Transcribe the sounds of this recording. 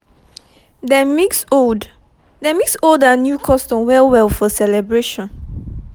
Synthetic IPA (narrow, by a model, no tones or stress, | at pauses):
dɛmiksod | dɛmiksodanjukʰɔstɔ̃nwɛlwɛlfɔsɛlɛbɹeʃɔ̃n